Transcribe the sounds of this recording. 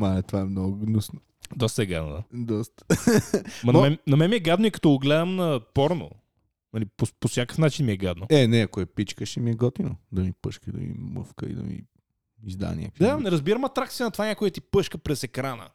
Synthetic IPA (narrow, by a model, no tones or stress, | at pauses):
maɛt̪ovaɛmnɔɡʊnusno | d̪ɔst̪ɐɛɡa̰d̪no̰d̪ad̪ɔst̪ə̥ | mɐnmɛnɐmɛnmiɛɡad̪noikɐ̥t̪ɔɡlɛd̪əmnɐpɔɾno̰ | nɐlipoposʲjakə̥fnat͡ʃinmiɛɡad̪noɛnɛɐkoɛpit͡ʃkəʃimiɛɡɔt̪ino̰d̪ɐmipəʃkəid̪ɐ̰mḭmə̰fkə̰ḭd̪ɐ̰mḭ | izd̪a̰nʲʔa̰kəvid̪anɛɾɐzbiɾəmɐt̪ɾak̪̚iənɐt̪ovanʲakojət̪ipɤʃkəpɾɛsɛkɾanə̰